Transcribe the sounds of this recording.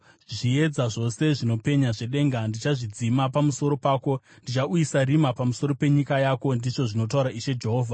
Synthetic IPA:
ʐie̞d͡zaʐo̞se̞ʐino̞pe̞ɲaʐe̞ɗe̞ːŋɡandit͡ʃaʐid͡zimapamuso̞ɾo̞paːko̞ | ndit͡ʃauisarimapamuso̞ɾo̞pe̞ɲikajaːko̞ndiʐo̞ʐino̞t̬auɾaʔiʃe̞d͡ʒe̞ɦo̞ːvʱa

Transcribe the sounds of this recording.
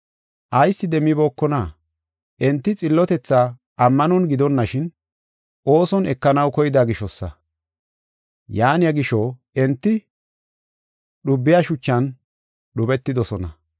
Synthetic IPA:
ʔɐjsːɪd̪ɛmːɪbo̞ːkːɔnaː | ʔɛnt̪ːɪt͡sʼɪlːɔt̪ɛt͡sːaː | ʔɐmːɐnɔnɡɪd̪ɔnːɐʃɪn | ʔo̞ːsɔnɛkːɐnɐwkɔjɪd̪aɡɪʃɔsːɐ̰ | jaːnɪjɐɡɪʃɔ | ɛnt̪ːɪ | ɗʊbːɪjaʃʊt͡ʃːɐn | ɗʊbɛt̪ːɪd̪ɔsɔnɐ̰

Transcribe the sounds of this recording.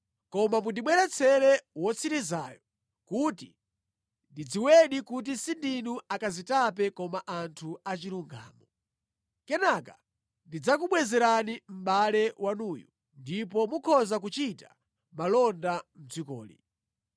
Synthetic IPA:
kɔmamundiɓwɛɾɛt͡sʰɛlɛwɔt͡sʰiɾizaːjɔ | kuti | ndid͡ziwɛɗikut̬isindinuakazitap̬ɛkɔmaʔantʰuat͡ʃiluŋɡa̰ːmɔ | kɛnaka | ndid͡zakuɓwɛzɛɾanim̩ɓalɛwanuːju | ndipɔmukʰɔzak̬ut͡ʃita | malɔndam̩t͡sikɔ̰ːlḭ

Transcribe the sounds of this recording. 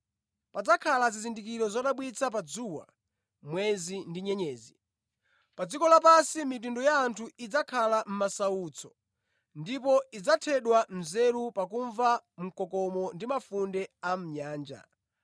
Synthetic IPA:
pad͡zakʰalazizindik̬iɾɔzaɗaɓwit͡sʰap̬ad͡zuwa̰ | mwɛzindiɲɛɲɛːzi | pad͡zikɔlapasimit̬undɔjaːntʰuid͡zakʰalam̩masaut͡sʰɔ̥ | ndipɔid͡zatʰɛɗwam̩zɛɾupak̬uɱvam̩kɔkɔmɔndimafundɛam̩ɲaːnd͡ʒa̰

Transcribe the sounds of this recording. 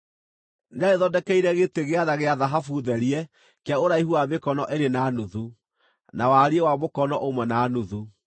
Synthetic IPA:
neaɾeðɔdɛkɛiɾɛɣeteɣeaðaɣeaðaɦafuðɛɾiɛ | kaoɾaihuaβekɔnɔʔeɾenanuðu | nawaɾiɛwamokɔnɔʔomwɛnanuðu

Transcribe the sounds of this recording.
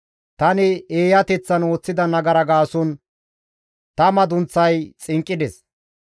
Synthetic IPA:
t̪ɐnɪeːjɐt̪ɛt͡sːɐno̞ːt͡sːɪd̪ɐnɐɡɐɾɐɡaːsɔn | t̪ɐmɐd̪ʊnt͡sːɐjt͡sʼɪŋkʼːɪd̪ɛs

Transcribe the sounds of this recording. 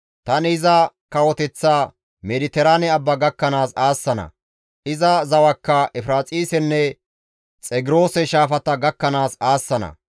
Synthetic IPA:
t̪ɐnɪzɐkɐwɔt̪ɛt͡sːaː | mɛlɪt̪ɛɾaːnɛɐbːɐɡɐkːɐnaːsaːsːɐnɐ̰ | ʔɪzɐzɐwɐkːɐʔɛfɾaːt͡sʼiːsɛnːɛ | t͡sʼɛɡɪɾo̞ːsɛʃaːfɐt̪ɐɡɐkːɐnaːsaːsːɐnɐ̰

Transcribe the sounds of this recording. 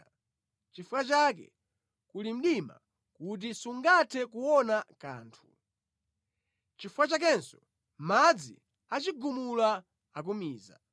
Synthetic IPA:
t͡ʃifukat͡ʃak̬ɛ̰ | kulim̩ɗima̰ | kut̬isuŋɡatʰɛkuwɔnaka̰ːntʰu | t͡ʃifuat͡ʃak̬ɛnsɔ̥ | mad͡zḭ | at͡ʃiɡumula | ak̬umiːza̰

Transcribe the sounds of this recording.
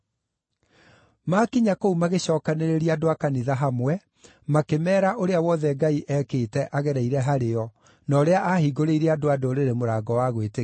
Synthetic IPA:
makiɲakoumaɣeɕɔːkaneɾeɾiadoakaniðaɦamwɛ | makemɛːɾaʔoɾeawɔðɛɡaiʔɛkeːtɛʔaɣɛɾaiɾɛɦaɾeɔ | nɔɾeaʔahiɡoɾeiɾeadoadoɾeɾemoɾaːɡɔwaɣwete

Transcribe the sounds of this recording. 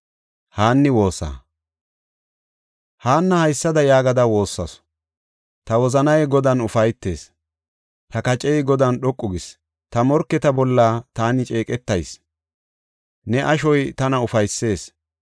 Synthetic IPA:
haːnːɪwo̞ːsːa̰ː | haːnːɐhɐjsːɐd̪ɐjaːɡɐd̪ɐwo̞ːsːɐs | t̪ɐwɔzɐnɐjɡɔd̪ɐnʊfɐjt̪ːe̞̰ːs | t̪ɐkɐt͡ʃʼɛjɡɔd̪ɐnɗɔkʼːʊɡɪs | t̪ɐmɔɾkːɛt̪ɐbɔlːaːt̪aːnɪt͡ʃʼe̞ːkʼɛt̪ːɐjs | nɛʔɐʃɔjt̪ɐnɐʊfɐjsːe̞ːs

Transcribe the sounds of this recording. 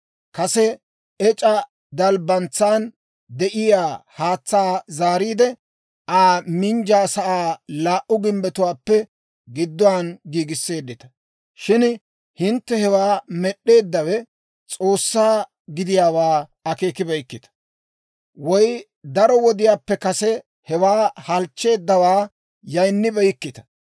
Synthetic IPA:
kɐsɛ | ɛt͡ʃʼɐ | d̪ɐlbɐnt͡sːaːn | d̪ɛʔɪjaːhaːt͡sːaːzaːɾiːd̪ɛ | ʔaːmɪnd͡ʒaːsɐʔaːlaːʔʊɡɪmbɛt̪ʊwaːpːɛ | ɡɪd̪ːɔwaːnɡiːɡɪsːe̞ːd̪ːɪt̪ɐ̥ | ʃɪn | hɪnt̪ːɛhɛwaːmɛɗːe̞ːd̪ːɐwɛ | t͡sʼo̞ːsːaː | ɡɪd̪ɪjaːwaːɐke̞ːkɪbɛjkːɪt̪ɐ̥ | wɔj | d̪ɐɾɔwɔd̪ɪjaːpːɛkɐsɛ | hɛwaːhɐlt͡ʃːe̞ːd̪ːɐwaː | jɐjnːɪbɛjkːɪt̪ɐ̥

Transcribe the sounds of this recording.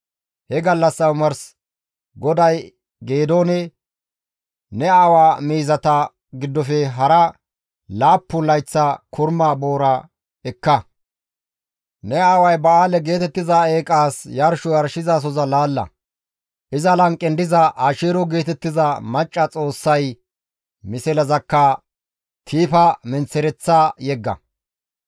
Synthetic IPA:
hɛɡɐlːɐsːɐʊmɐɾs | ɡɔd̪ɐj | ɡe̞ːd̪oːnɛ | nɛawaːmiːzɐt̪ɐ | ɡɪd̪ːɔfɛɦɐɾɐ | laːpːʊlɐjt͡sːɐkʰʊɾmaːbo̞ːɾɐ | ɛkːɐ | nɛaːwɐjbɐaːlɛɡe̞ːt̪ɛt̪ːɪzae̞ːkʼaːsjɐɾʃɔjɐɾʃɪzas̬ɔzɐlaːlːɐ̰ | ʔɪzɐlɐŋkʼːɛnd̪ɪzɐʔaːʃeːɾɔɡe̞ːt̪ɛt̪ːɪzɐmɐt͡ʃʼːɐt͡sʼo̞ːsːɐj | mɪsɛlɐzɐkːɐ | t̪ʰiːfɐmɛnt͡sːɛɾɛt͡sːaːjɛɡːɐ̰

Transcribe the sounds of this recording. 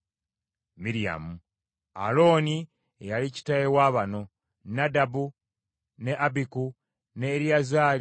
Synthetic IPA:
miɾija̰mu | a̰lo̞ːni | ejalici̥tajewaːβano̞ | nadabu | ne̞ʔabiku | ne̞ɾiazaːl

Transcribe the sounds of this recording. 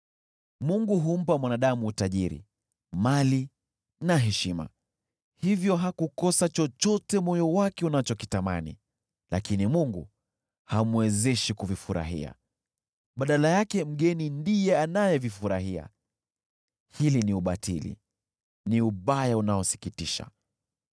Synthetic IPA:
muŋɡuɦum̩pamwanaɗamuːtaʄiɾḭ | mali | naɦɛʃima̰ | hivjɔɦakukɔsat͡ʃɔt͡ʃɔtɛmɔjɔwakɛunat͡ʃɔkitama̰nḭ | la̰kinimuŋɡu | hamwɛzɛʃikuvifuɾa̰ɦḭa̰ | ɓaɗalajakɛm̩ɠɛnindijɛanajɛvifuɾaɦia̰ | hiliniuɓatʰilḭ | niuɓajaunaɔsi̥kitiʃa̰

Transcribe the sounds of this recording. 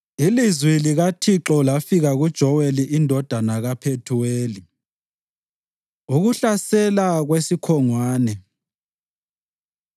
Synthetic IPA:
ilizwiliɣatʰiǁɔlafiɣaɣud̥ʒ̥ʱɔweliʔindʱɔd̥ʱanaɣapʰetʰuweːli | uɣuɬasɛlaɣwesikʰɔŋwaːnɛ

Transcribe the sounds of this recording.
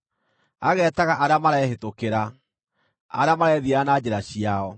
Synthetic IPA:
aɣɛːtaɣaʔaɾamaɾaɛhetokeɾa | aɾamaɾɛðianad͡ʑɛɾaɕiaɔ

